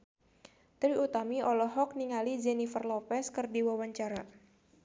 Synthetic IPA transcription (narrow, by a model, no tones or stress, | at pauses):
t̪ɾiut̪amiɔlɔɦɔk̚niŋalid͡ʒɛnifərlɔpɛskɨrdiwawaɲt͡ʃaɾa